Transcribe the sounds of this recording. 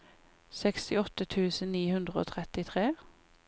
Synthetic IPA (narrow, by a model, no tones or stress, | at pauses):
sɛkst̪ɪɔt̪ət̪ʰʉːsən̩niːhʉnd̪ʁəo̰ːt̪ʰʁɛt̪ɪt̪ʰʁeː